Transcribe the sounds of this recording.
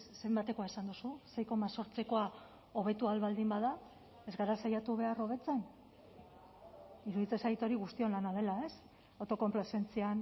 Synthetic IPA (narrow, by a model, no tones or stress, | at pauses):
se̞mbat̪e̞ko̞aesand̪ususe̞jko̞maso̞ɾt͡seko̞a | o̞β̞e̞t̪ualβald̪imbaða | e̞zɣaɾasajat̪uβ̞e̞aro̞β̞e̞t͡sen | iɾuðit͡se̞sajt̪o̞ɾiɣust̪io̞nlanað̞e̞lae̞s | awt̪o̞ko̞mplase̞nt͡sian